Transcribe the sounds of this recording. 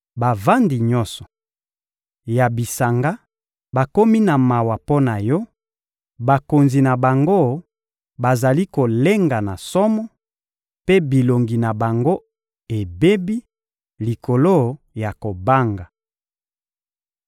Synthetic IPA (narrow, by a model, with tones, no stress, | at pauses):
ba˨va˦ndi˨ɲɔ˦sɔ̥˨ | ja˨bi˨sa˨ŋɡa˦ | ba˨ko˦mi˦na˨ma˨wa˨po˦na˨jɔ˦ | ba˨ko˨nzi˨na˨ba˨ŋɡo˦˨ | ba˨za˨li˦ko˨le˦ŋɡa˨na˨sɔ˦mɔ˦ | pe˦bi˨lo˨ŋɡi˨na˨ba˨ŋɡo˦ | e˨be˦bi˦ | li˨ko˨lo˦˨ | ja˨ko˨ba˦ŋɡa˨